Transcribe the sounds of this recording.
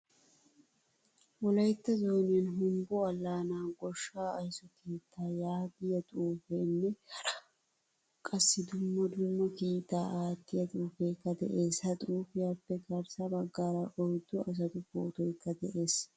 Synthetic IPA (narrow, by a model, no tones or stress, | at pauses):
wɔlɐjt̪ːɐzo̞ːnɪjɐnɦʊmbɔɐlːaːnaːɡɔʃːaːɐjsɔkiːt̪ʰːaːjaːɡɪjɐt̪ʼuːfeːnːɛ | kʼɐsːɪd̪ʊmːɐd̪ʊmːɐkiːt̪ːaːʔaːt̪ːɪjɐt̪ʼuːfeːkːɐd̪ɛ̰ʔe̞ːshɐt̪ʼuːfɪjaːpːɛɡɐɾsɐbɐɡːaːɾɐʔɔjd̪ːɔʔɐs̬ɐt̪ʊfo̰ːt̪ɔjkːɐd̪ɛʔe̞ːs